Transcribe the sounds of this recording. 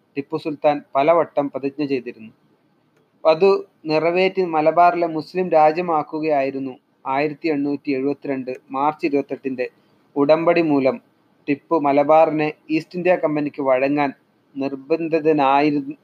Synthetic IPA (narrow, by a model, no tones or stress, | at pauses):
ʈipːɨsult̪aːnpɐlɐʋɐʈːɐmpɐðɐkɲɐt͡ɕe̞jt̪̬iɾunːu | ɐðu | nirɐʋe̞ːtːimɐlɐbaːrilemuslimɾaːd͡ʑjɐmaːkːuɣɐjaːjiɾunːu | aːjiɾɐt̪ːie̞ɳːuːtːie̞ɻubɐt̪ːiɾe̞ɳɖɨmaːrt͡ɕːiɾubɐt̪ːɐʈːinde̞ | uɽɐmbɐɽimuːlɐm | ʈipːɨmɐlɐbaːrineiːstindijɐkɐmbɐnikʲːɨʋɐɻɐŋːaːn | nirbɐnd̪ʱɐðɐnaːjiɾu